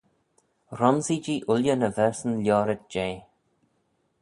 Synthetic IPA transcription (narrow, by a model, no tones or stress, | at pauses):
ɾɔnzid͡ʒiːʔʊljənəvɛɹsənljɔːɾət̪̚d͡ʒeː